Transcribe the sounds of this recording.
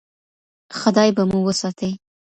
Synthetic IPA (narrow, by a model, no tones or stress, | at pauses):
xad̪ɑjbamuwəsɑt̪ʰəj